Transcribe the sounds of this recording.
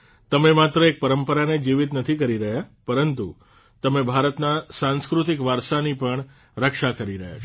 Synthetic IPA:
t̪əmemat̪ɾəek̚pəɾəmpəɾaned͡ʒiʋit̪nət̪ʰikəɾiɾəɦjapəɾənt̪u | t̪əmebʱaɾət̪nasãnskɾut̪ikʋaɾsanipəɳ | ɾəkʃakəɾiɾəɦja̰t͡ʃʰ

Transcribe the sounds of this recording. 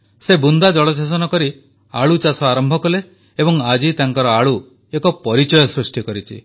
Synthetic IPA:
sebund̪ad͡ʒɔɭɔsas̬ɔnɔkɔɾi | aɭut͡ʃasɔaɾɔmbʱɔkɔle | ebɔŋad͡ʒit̪aŋkɔɾɔaɭu | ekɔpɔɾit͡ʃɔjɔsɾusʈikɔɾit͡ʃʰḭ

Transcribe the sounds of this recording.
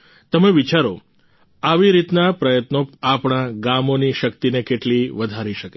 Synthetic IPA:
t̪əmeʋit͡ʃaɾo | aʋiɾit̪napɾəjət̪noapɳ̃aɡamoniʃəkt̪inekeʈliʋəd̪ʱaɾiʃəke

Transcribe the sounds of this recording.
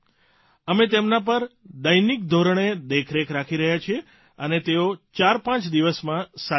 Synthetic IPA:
əmet̪emnapəɾd̪əjnik̚d̪ʱoɾəɳ̃ed̪ekʰɾekʰɾakʰiɾəɦjat͡ʃʰie | ənet̪eot͡ʃaɾpãt͡ʃd̪iʋəsmãsa

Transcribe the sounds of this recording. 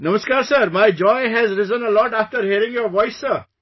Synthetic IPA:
nʌməskaːɾsəɾmajd͡ʒɔɪɦɛzɾɪzə̃nəlɔʈæftəɾhiəɾɪ̃ŋjoɾʋɔɪsːə

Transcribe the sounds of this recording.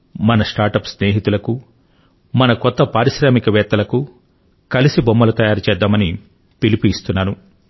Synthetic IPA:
mɐnɐsʈaːɾʈɐpsneːɦit̪ulɐku | mɐnɐkɔt̪ːɐpaːɾiʃɾaːmikɐʋɛːt̪ːɐlɐku | kɐlisibomːɐlɐt̪ɐjaːɾut͡ʃɛːd̪ːaːmɐni | pilipuist̪unːaːnu

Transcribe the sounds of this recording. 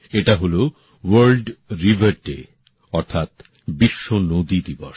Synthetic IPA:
eʈaɦolo | wɐɾlɖɾibʱaɾɖḛ | ɔɾt̪ʰat̪ | biʃːonod̪id̪ibo̰ʃ

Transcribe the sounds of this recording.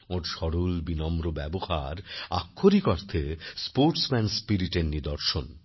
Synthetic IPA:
oɾʃɔɽulbinɔmɾobɛboha̰ɾa̰kʰːoɾikɔɾt̪ʰespoɾʈsmɛnspiɾiʈeɾnid̪ɔɾʃon

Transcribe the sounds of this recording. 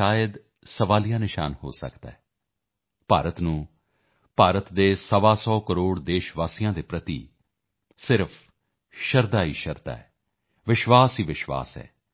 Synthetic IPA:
aːjəd̪ | səʋaːlijãːnɪʃa̰ːnho̰ːsə̰kd̪a̰ːɦɛː | paːɾət̪nũː | paːɾət̪d̪eːsəʋaːsɔːkəɾoːɽd̪eːʃʋaːsijãːd̪eːpɾət̪ḭː | sɪɾpʰ | ʃəɾd̪aːiːʃəɾd̪a̰ːɛː | ʋɪʃʋaːsiːʋɪʃʋa̰ːsɛ̰ː

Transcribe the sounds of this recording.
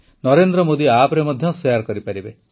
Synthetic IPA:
nɔɾend̪ɾɔmod̪iapɔɾemɔd̪ʱjɔsjaɾkɔɾipaɾibe

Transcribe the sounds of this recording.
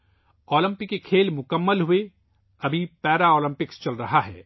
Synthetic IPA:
oːlə̃mpɪkːekʰeːlmʊkəmːəlɦʊe | ɐbʱipɛːɾaoːlə̃mpɪkst͡ʃɐlɾɐɦaɦɛ̰ː

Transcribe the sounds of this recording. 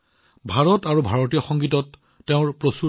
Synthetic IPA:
bʱaɹɔtaɹubʱaɹɔtijɔxɔŋɡitɔtː | eʊ̃ɹpɹosu

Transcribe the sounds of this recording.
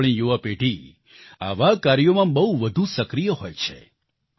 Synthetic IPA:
ɭ̃ĩjuʋapeʈi | a̰ʋakaɾijomãbəɦuʋəd̪ʱusəkɾijəɦojt͡ʃʰḛ

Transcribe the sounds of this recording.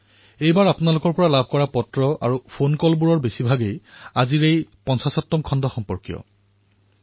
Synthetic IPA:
ejbaɹapʊnalʊkɔɹpɔɹalab̚ʱkɔɹapɔtɹɔʔa̰ɹupʰonkɔlbuɹɔɹbesibʱaɡejaziɹejpɔnsasɔtːɔmkʰɔndɔxɔmpɔɹkijɔ̰

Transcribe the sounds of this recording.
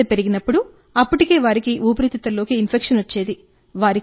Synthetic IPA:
ɐpe̞ɾiɡinɐpːuɽu | ɐpːuʈike̞ːʋaːɾikiʔuːp̬ɐɾit̪it̪ɐlːo̞ːkiːnpʰekʂɐnʋɐt͡ʃːe̞ːd̪i | ʋaːɾi

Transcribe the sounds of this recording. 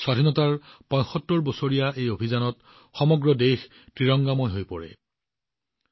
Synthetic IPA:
swadʱinɔtaɹpɔ̃j̃xɔtːoɹbɔsoɹijaʔejobʱizanɔt | xɔmɔɡɹɔdejx | tɹiɹɔŋɡamɔjɦojpɔɹɛ̰

